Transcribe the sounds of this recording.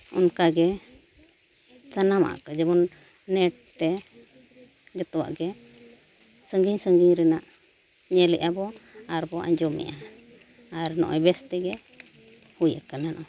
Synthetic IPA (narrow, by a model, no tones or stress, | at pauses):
ɔ̰nkaɡɛ | sanama̰ʔa̰kad͡ʒɛbɔnː | ɛʈ̚t̪ɛ | d͡ʒɔt̪ɔwa̰ʔɡɛ | səŋɡiɲsəŋɡiɲɾɛnaʔ | ɲɛlɛʔabɔaɾbɔa̰ɲd͡ʒɔmɛ̰ja | aɾnɔ̰ʔɔjbɛst̪ɛɡɛ | hujakananʔɔ